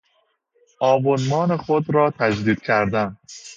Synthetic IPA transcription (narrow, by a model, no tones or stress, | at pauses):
ʔɒːbonmɒːnexod̪ɾɒːt̪ʰæd͡ʒd̪iːd̪̥̚kʰæɾd̪æn